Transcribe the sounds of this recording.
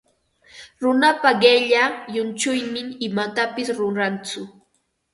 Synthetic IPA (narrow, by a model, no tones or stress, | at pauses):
ɾʊnapaɢeʎajʊnt͡ʃʊjmɪŋɪmat̪apɪsɾonɾant͡sʊ